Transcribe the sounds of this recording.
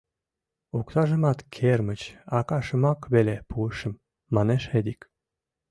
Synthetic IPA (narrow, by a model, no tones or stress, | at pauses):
ukt̪ɑʒə̆mɑt̪kʰermət͡ɕɑkɑʃə̆mɑkβelepuəʃə̆mː | ɑneʃed̪ik